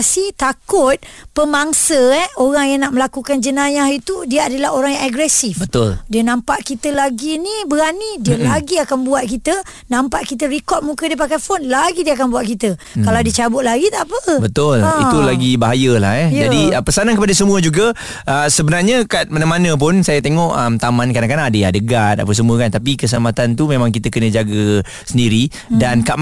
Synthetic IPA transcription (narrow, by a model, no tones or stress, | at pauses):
sit̪akʊt̪̚pəmaŋsəɛoɾaŋjaŋnaʔməlakukand͡ʒənãjahit̪udiəadalahoɾaŋjaŋaɡɾɛsifbbəʊldiənãmpaʔkit̪əlaɡinibəɾanidiəlaɡiakanbuat̪̚kit̪ə | nãmpaʔkit̪̬əɾikɔt̪̚mukədiəp̬akajfonlaɡidiəakanbuat̪̚kit̪əkkalawdiət͡ʃabʊt̪̚laɡit̪apəbət̪ʊlit̪ulaɡibaɦajəlahjɛjd͡ʒadiəpəsanankəpadasəmũəd͡ʒuɡə | ʔəsəbənarɲəkat̪̚manamanə̃p̬ʊnsajat̪eŋɔʔəmt̪amankadaŋkanadəja̰dəɡat̪̚a̰pəs̬əmũəkant̪apikəs̬əlamat̪ant̪umẽmãŋk̬it̪əkənə̃d͡ʒaɡə | səndiɾi | dankaʔ